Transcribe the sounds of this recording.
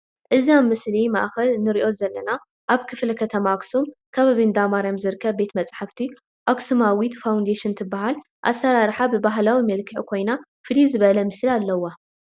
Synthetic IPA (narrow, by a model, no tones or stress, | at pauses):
ʔɨziamːɨslima̰ʔxɐlnɨɾiʔo̞zɐlːɐna | ʔaβkʰɨflɐkʰɐt̪ʰɐmaksumkʰɐβaβind̪amaɾamzɨɾɨkʰːɐβbe̞t̪mɐt͡sʼħaft̪ʰi | ʔoksɨmawit̪fawnd̪eʃɪnt̪ʰɨbːaɦal | ʔa̰sːɐɾaɾħabɨbaɦlawimɐlkʰɨʕkʰo̞jna | fɨlizɨβɐlɐmɨslialːɐwːa